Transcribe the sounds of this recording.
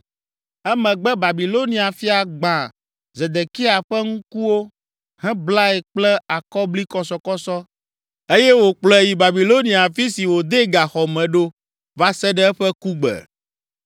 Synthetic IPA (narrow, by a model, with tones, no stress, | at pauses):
ɛ˦mɛ̃˨ɡ͡bɛ˦ba˨bi˨lo˦nĩ˨a˨fi˦a˨ɡ͡bã˨ | zɛ˨d̪e˨ki˦a˨ɸɛ˦ŋũ˦ku˦wo˦ | hɛ̃˦bla˦ɛ˨k͡plɛ˦a˨kɔ˦bli˦kɔ˦sɔ˨kɔ˦sɔ˦ | e˦jɛ˦wo˨k͡plɛ˨ji˨ba˨bi˨lo˦nĩ˨a˨fi˦si˨wo˨d̪e˦ɡa˨xɔ˨mɛ̃˨ɖo˦ | va˦sɛ˦ɖɛ˦ɛ˦ɸɛ˦ku˦ɡ͡bɛ̰˨